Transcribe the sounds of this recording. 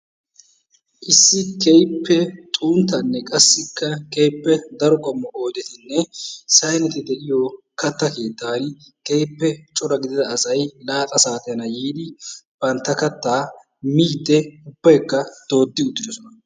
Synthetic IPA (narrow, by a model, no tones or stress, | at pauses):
ʔɪsːɪkejpːɛt̪ʼuːnt̪ːɐnːɛkʼɐsːɪkːɐkejpːɛd̪ɐɾɔkʼɔmːɔʔo̞ːd̪ɛt̪ɪnːɛsɐjnɛt̪ɪd̪ɛʔɪjɔ | kɐt̪ːɐke̞ːt̪ːaːn | kejpːɛt͡ʃʼɔɾɐɡɪd̪ɪd̪ɐːsɐjlaːt̪ʼɐsaːt̪ɛjɐnɐjiːd̪ɪb̥ɐnt̪ːɐkɐt̪ːaː | miːd̪ːɛʊb̥ːɐjkːɐd̪̥o̞ːd̪ːɪʊd̪ːɪd̪ɔsɔnɐ